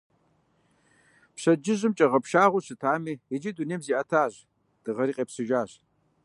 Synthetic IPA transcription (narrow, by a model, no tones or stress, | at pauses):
pɕɐd͡ʒɪʑɨmt͡ʃʼɐʁɐpʰʃaːʁʷuɕɨtʰaːmiːed͡ʒiduneːmziːʔɐtʰaːʑ | d̥ɨʁɐɾiːqʼeːpsɨʒaːʑ